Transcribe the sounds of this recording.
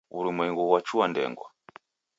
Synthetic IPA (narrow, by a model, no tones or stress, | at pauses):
uɾumwɛŋɡuwat͡ʃuwandɛ̰ŋɡwa̰